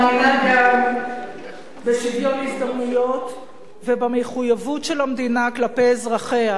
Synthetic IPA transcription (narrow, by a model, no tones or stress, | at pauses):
inaɡam | besidjo̞tisd̪amnujo̞t | vebameχujavutʃelhamd̪inaklape̞zʁaχe̞a